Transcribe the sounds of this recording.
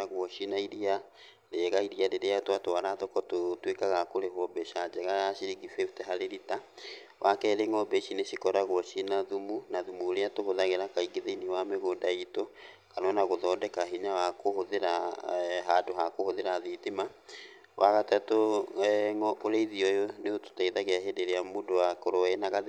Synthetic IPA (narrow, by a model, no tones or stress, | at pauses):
aɣwɔʃinaiɾia | leɛɣaiɾiaɾeɾeatwatoaɾaðɔkɔtotwekaɣakoɾehwɔbɛʃad͡ʒɛɣaaɕiɾiɣifetɛɦaɾeɾita | wʔakɛɾeŋɔbɛʃineɕikɔɾaɣwɔʃinaðumunaðumuɾeatohoðaɣeɾakaiɡeðeiniwameɣondaito | kanɔnaɣoðɔndɛkaɦiɲawakohoðeɾaɦadoɦakohoðeɾaðiðema | wʔaɣatato | ŋɔoɾeiðiɔjoneoto̥taiðaɣeaɦedeɾeamondowakoɾoɛenaɣað